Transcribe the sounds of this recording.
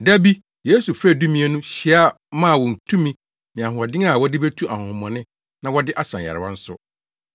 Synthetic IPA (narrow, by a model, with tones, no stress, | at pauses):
dæ˦bi˦ | je˨˦su˨fɾæ˦˨du˦mĩ˦e˦nũ˦ɕi˨˦a˦˨˦mã˦˨wɔ̃˨n̩˨tʰũ˦mĩ˦ | mɪ̃˨a˨hʊ̃˨a˨dɪ̃˦ŋa˦˨wɔ˦dɪ˦be˦tʰu˦ʔa˨hʊ̃˨mɔ̃˨nɪ̃˦ | nã˨wɔ˦dɪ˦ʔa˦sã˨ɛ̰˨ɾɪ˨wã˦n̩˦sʊ˦